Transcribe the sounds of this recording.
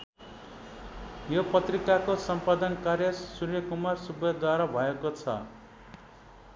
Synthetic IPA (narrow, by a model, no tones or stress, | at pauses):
jopʌt̪rikakosʌmpad̪ʌnkarjʌsurjʌkumarsubjʌd̪waɾʌbʱʌekot͡sʰʌ̰